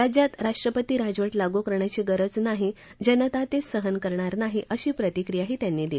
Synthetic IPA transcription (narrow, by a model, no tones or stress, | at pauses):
ɾad͡ʑjat̪ɾaʂʈɾəpət̪iːɾad͡zʋəʈlaɡukəɾɳjat͡ɕiːɡəɾəd͡znaɦi | d͡ʑənət̪at̪esəɦənkəɾɳaɾnaɦiʔəɕiːpɾət̪ikɾijaɦiːt̪janːiːd̪ili